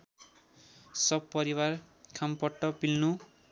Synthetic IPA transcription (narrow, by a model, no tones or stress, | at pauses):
sʌbpʌɾiwarkʰampʌʈːʌpilnu